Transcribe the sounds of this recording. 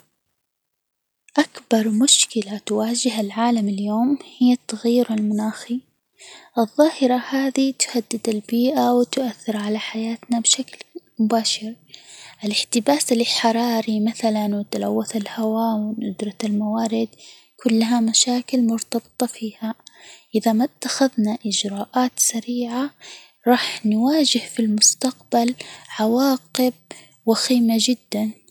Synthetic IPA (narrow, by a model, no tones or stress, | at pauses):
ʔakbɑɾˤmʊʃkɪlat̪waːd͡ʒɪhalʕaːlamɪljoːmhɪjːat̪ːaɣajːɪɾɪlmʊnaːxi | ʔɨðˤːɑːhɪɾˤɑhaːðit̪ʊ̥had̪ːɪd̪ɪlbiːʔawɪt̪ʊʔaθːɪɾʕalaħajaːt̪nabʃaklmʊbaːʃɪɾ | ʔɪlɪħt̪ɪbaːsɪlɪlħɑɾˤɑːɾimaθalanwɪt̪ala̰wːaθalhawawɪnʔʊd̪ɾˤɑalmawaːɾɪd̪ | kʰʊlːaɦamaʃaːkɪlmʊɾt̪ɑbɨt̪ˤɑfiːhaʔɪðamat̪ːaxaðnaʔɪd͡ʒɾˤɑːʔaːt̪saɾiːʕa | ɾˤɑːħnwaːd͡ʒɪhfilmʊst̪aqbalʕawɑːqɪb̚ | waxiːmad͡ʒɪd̪ːan